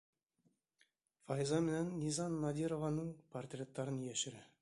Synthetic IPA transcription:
fɑjzɑmɘ̆nænːʲizɑnːɑd̪ʲiɾovɑnəŋport̪ʲrʲet̪ːɑɾənjeʃɘ̆ɾɘ

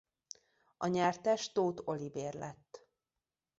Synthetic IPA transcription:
ɒɲaːrt̪ɛʃt̪oːt̪o̞liveːrlɛt̪ː

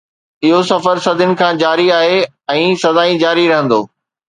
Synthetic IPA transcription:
ɪɦosɐfəɾsɐd̪ʱɪʊnɪ̆kʰãːd͡ʑaːɾiaːɦe | ɛ̃ːsɐzaːĩd͡ʑaːɾiɾɐɦə̃nd̪o̰ː

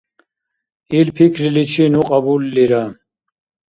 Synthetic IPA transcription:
ilpʰikʰɾilit͡ʃʰinuqʼabulːiɾa

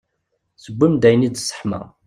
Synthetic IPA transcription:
səɡʷːimd̪æjnid̪sːə̥ħmæ̰

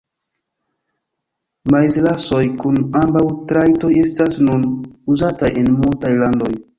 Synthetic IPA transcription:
majzlaso̞jkunambawtɾajto̞je̞stasnunuzataje̞nmultajlando̞j

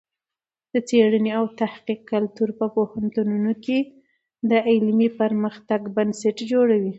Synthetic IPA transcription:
d̪̥ət͡seɽəneawt̪ahqiqːalt̪uɾpəpohant̪ununoke | d̪əɪlmipəɾməxt̪aɡbansaʈd͡ʒoɽawi

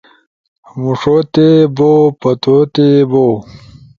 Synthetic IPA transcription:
muʂot̪ebopɐt̪ot̪ebo

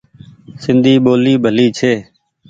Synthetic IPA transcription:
sɪnd̪ʱiːɓoːliːbʱəliːt͡ʃʰeː

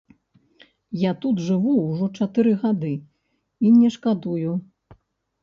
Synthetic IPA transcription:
jat̪ud̪ʐɨvuwʐɔt͡ʂat̪ɨɾɨɣad̪ɨ | inʲɛʂkad̪uju

